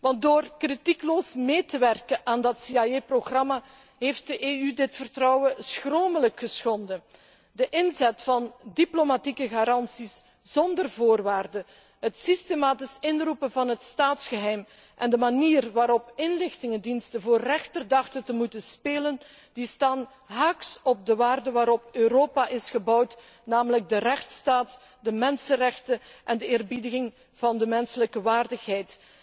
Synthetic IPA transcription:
ʋɑnt̚doːrkritikloːsmeːtəʋɛrkəʔaːndɑtsiajeproɣrɑma | ɦeft̚dəʔeːydɪtfərtrɔwəsxroːmələkxəsxɔndə | dəʔɪnzɛtfɑndiplomatikəɣaːɾɑnsis | z̥ɔndərvoːrʋaːrdə | ɦətsistemaːtɪsɪnrupənvɑnɦətstaːtsxəɦɛjm | ʔɛndəmaniːrʋaːɾɔpɪnlɪxtɪŋəndinstənvoːrːɛxtərdɑxtəntəmutənspeːlən | distaːn | ɦaksɔb̚dəʋaːrdəʋaːɾɔpøɾoːpaʔɪsxəbʌwt | naːmələɡ̚dərɛxtstaːt | dəmɛnsənrɛxtəʔɛndəɪːrbidəɣɪŋ | v̥ɑndəmɛnsələkəʋaːrdəxɦɛjt

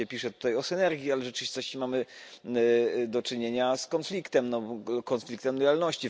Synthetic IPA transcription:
ɛpʲiʂɛt̪u̥t̪ajɔsɘnɛɾɡʲjialɛʐɛt͡ʂɨvʲist̪ɔɕt͡ɕɛmamɘ | d̪ɔt͡ʂɘɲeɲaskɔnflʲikt̪ɛmnɔkɔnflʲikt̪ɛmd̪jalnɔɕt͡ɕi

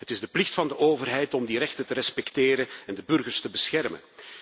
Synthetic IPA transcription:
ɦətɪzdəplɪxtfɑndəʔoːvərɦɛjtɔmdiɾɛxtətəɾɛspɛkteːɾənɛndəbɵrɣərstəbəsxɛrmə̰n

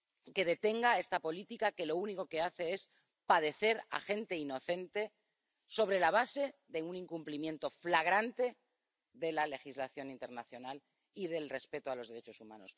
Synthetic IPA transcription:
ke̞ð̞e̞t̪e̞ŋɡae̞st̪apo̞lit̪ikake̞lo̞uniko̞ke̞aθe̞e̞s | pað̞e̞θe̞ɾa̰xe̞nt̪e̞ino̞θe̞nt̪e̞ | so̞β̞ɾe̞laβ̞ase̞ðe̞uniŋkumplimje̞nt̪o̞flaɣ̞ɾant̪e̞ | ðe̞lale̞xizlaθjo̞nĩnt̪e̞ɾnaθjo̞nal | ið̞e̞lre̞spe̞t̪oaloðe̞ɾet͡ʃo̞sumã̰no̞̰s

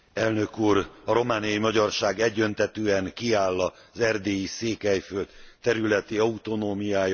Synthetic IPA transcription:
ɛlnø̞kuːɾɒɾo̞maːnijɒimɒɟɒrʃaːɡɛɟːø̞nt̪ɛt̪øːɛŋkiaːlːɒ | zɛrd̪eːjiseːkɛjfølt̪t̪ːɛɾylɛt̪iɒut̪o̞noːmijaːj

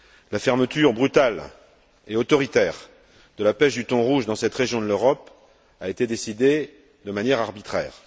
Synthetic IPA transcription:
lafɛʁmət̪yʁbʁyt̪al | eot̪ɔʁit̪ɛːʁ | d̪̥əlapɛʃd̪yt̪ɔ̃ʁuʒd̪ɑ̃sɛt̪ʁeʒjɔ̃d̪əløʁɔp | aet̪ed̪esid̪e | d̪əmanjɛʁaʁbit̪χɛ̰ːʁ

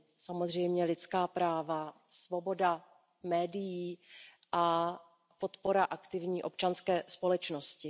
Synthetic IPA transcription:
samozr̝ɛjmɲɛlɪt̪t͡skaːpɾaːva | svo̞bo̞da | mɛːdɪjiː | ʔa | po̞t̪po̞ɾaʔakt̪ɪvɲiːʔo̞p̚t͡ʃanskɛːspo̞lɛt͡ʃnoscɪ

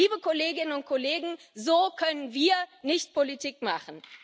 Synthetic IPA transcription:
iːbəkoleːɡɪnənʊnt̚kʰoleːɡŋ̩zoːkʰœnənviːɐnɪçt̚pʰolitiːkma̰χn̩

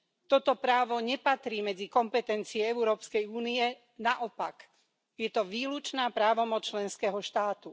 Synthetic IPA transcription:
t̪ɔt̪ɔpɾaːʋɔɲɛpat̪ɾiːmɛd͡zikɔmpɛt̪ɛnt͡siɛɛuɾɔːpskɛjuːniɛ | naʔɔpak | jɛt̪ɔʋiːlut͡ʃnaːpɾaːʋɔmɔt͡st͡ʃlɛnskɛɦɔʃt̪aːt̪u

